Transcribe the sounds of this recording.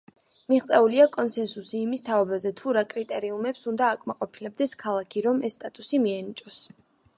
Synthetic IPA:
miʁt̪sʼɛuliakʼɔnsɛnsusiːmist̪ʰaɔbazɛt̪ʰuɾakʼɾit̪ʼɛɾiumɛpsund̪aːkʼmaqʼɔpʰilɛb̚d̪ɛskʰalˠakʰiɾɔmɛsːt̪ʼat̪ʼusimiɛnit͡ʃʼɔs

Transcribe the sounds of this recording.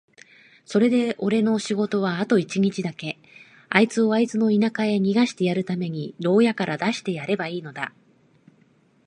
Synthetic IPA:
so̞ɾe̞d̪e̞ʔo̞ɾe̞no̞ɕiɡo̞t̪o̞β̞aːt̪o̞it͡ɕiɲ̟it͡ɕid̪ake̞ | ait͡sɨo̞ait͡sɨno̞inakaeɲ̟iɡaɕi̥t̪e̞jaɾɯ̟t̪ame̞ɲ̟iɾo̞ːjakaɾʔad̪aɕi̥t̪e̞jaɾe̞baiːno̞d̪a̰

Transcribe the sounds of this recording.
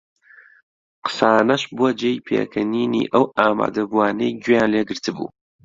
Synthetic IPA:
qə̥saːnɐʃbuɐd͡ʒejpʰḛkʰɐniːnḭːʔɐwaːma̰ːd̪ɐbuaːnejɡwjaːnleːɡɨɾt̪ʰɨbṵː

